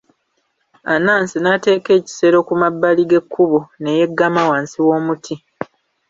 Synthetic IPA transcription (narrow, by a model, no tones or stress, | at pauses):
anaːnsinate̞ːke̞ːci̥se̞ɾo̞kumabːaliɡe̞kʰːuβone̞je̞ɡːamawaːnsiwo̞ːmutʰi